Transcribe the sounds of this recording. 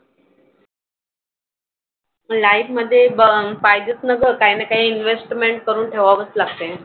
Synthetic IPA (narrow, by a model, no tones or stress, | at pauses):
lajpməd̪ʱːjebfajd̪ət̪nəɡəɾkaɦjnakaɦiːinʋesʈmeɳʈ̚kəɾuːnʈʰeʋaʋəst̪laɡ̚t̪e